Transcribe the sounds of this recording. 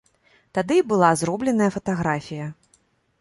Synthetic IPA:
t̪ad̪ɨbɨlˠazɾɔblʲɛnɐjɐfɐt̪aɣɾafʲijɐ

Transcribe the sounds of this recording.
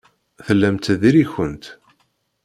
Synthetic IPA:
θəlːæmt̪ðiɾiçənt̪

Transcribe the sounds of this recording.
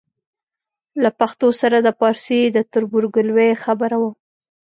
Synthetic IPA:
lapaxt̪osaɾad̪əpɑɾsid̪ət̪ʊɾbʊɾɡʊlwexabəɾawə

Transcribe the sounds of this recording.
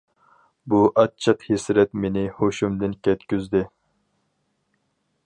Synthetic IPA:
buʔɑt̚t͡ʃʰːəqhisɾɛt̪menɪhoʃumd̪ɪnkʲʰɛt̪̚kʲyzd̪ɪ

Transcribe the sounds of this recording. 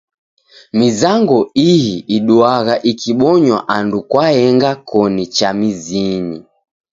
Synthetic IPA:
mizaŋɡɔijiːɗuaɣaʔikʰiɓɔɲwaʔandukwahɛŋɡakʰɔnit͡ʃamizini

